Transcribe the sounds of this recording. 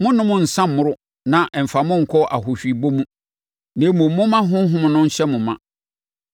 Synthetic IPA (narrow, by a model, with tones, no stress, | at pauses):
mʊ̃˦nʊ̃˦mʊ̃˦n̩˨sã˦mːʊ̃˦ɾʊ˦ | nã˨ʔɛ˨m̩˨fa˨mʊ̃˦ŋ̩˨kʰɔ˦ʔa˨ɦʊ˨ɕᶣi˨bo˦mũ˦ | nẽ˨˦mʊ̃˨mʊ̃˦mã˦ɦʊ̃˦ɦʊ̃˦m̃˨nʊ̃˦ɲ̩˦ɕɛ˦mʊ̃˨mã̰˨